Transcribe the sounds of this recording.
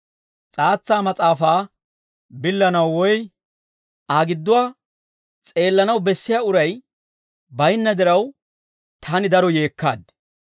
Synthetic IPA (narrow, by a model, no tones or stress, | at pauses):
t͡sʼaːt͡sːaːmɐt͡sʼaːfaː | bɪlːɐnɐwːɔj | ʔaːɡɪd̪ːʊwaː | t͡sʼe̞ːlːɐnɐwbɛsːɪjaːʊɾɐj | bɐjnːɐd̪ɪɾɐw | t̪ʰaːnɪd̪ɐɾɔje̞ːkːaːd̪